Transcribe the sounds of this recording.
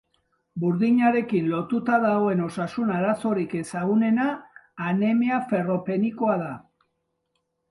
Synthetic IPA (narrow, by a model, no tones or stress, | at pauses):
buɾðiɲaɾe̞kinlo̞t̪ut̪aðaɣoe̞no̞sasunaɾaso̞ɾike̞saɣ̞une̞naːne̞meafe̞ro̞pe̞niko̞að̞a